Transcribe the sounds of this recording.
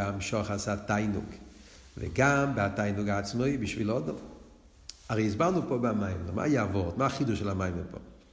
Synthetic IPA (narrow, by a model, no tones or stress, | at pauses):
amʃɔχashatajnṵɡ | vɛ̰ɡambɪatajnuɡaːt͡smojbiʃvilɔdɔm | aʁɛjizbaʁnupobamajmlɔma̰ːjɛavɔʁt̪maːχiduʃɛlamajmlɛpo̰